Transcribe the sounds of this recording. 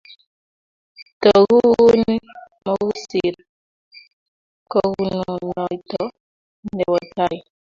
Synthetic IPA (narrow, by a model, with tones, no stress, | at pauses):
tɔ˨ɣu˦ɣn˦ | mɔ˦ɣu˦si˨ɾ | kɔ˦ɣu˨nu˨nɔ˨i˨tɔ˨ | ndɛ˨wɔ˨ta˦j